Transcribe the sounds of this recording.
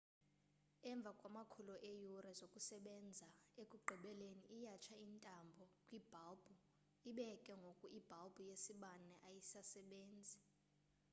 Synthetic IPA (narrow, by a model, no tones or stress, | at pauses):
ɛɱb̪vʱakʼwamakʰulɔʔejuɾɛzokʼusɛɓɛnd͡zʱaekʼuɡ͡ǃʱiɓɛleniʔːjat͡ʃʰaintʼambʱɔkʼwib̥ʱalb̥ʱu | iɓɛkʼɛŋɡʱokʼuib̥ʱalb̥ʱujesiɓanɛʔajisasɛɓeːnd͡zʱi